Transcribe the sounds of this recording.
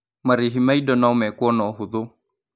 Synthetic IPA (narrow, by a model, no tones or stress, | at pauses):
maɾiɦimaidɔnaɔmɛkwɔnɔɦuðu